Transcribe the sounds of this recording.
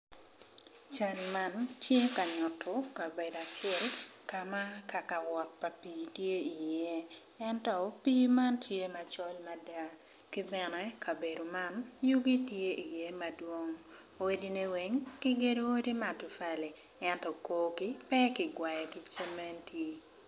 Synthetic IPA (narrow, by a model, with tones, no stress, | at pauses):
t͡ʃa˦nma˦ntʰje˦ka˨ɲɔ˨tʰo˨ka˨be˨da˨t͡ʃɛ˦lka˨ma˦ka˨ka˨wɔ˨t̚pa˨piː˨tje˦i˨je˦ | ɛntɔ˦pi˦ma˦ntʰje˦ma˨t͡ʃɔ˦lma˨da˦ | ki˦bɛ˨nɛ˦kʰa˨be˨do˨ma˦nju˦ɡi˦tje˦ʔi˨je˦ma˨dwo˦ŋ | o˦di˦ne˦we˨ŋki˦ɡe˦do˦o˦di˦ma˨tʊ˨fa˨le˨ | ɛ˦ntɔ˨koː˦ki˦pɛ˦kɪ˨ɡwa˨jɛ˨ki˦t͡ʃe˦me˦ntʰe˦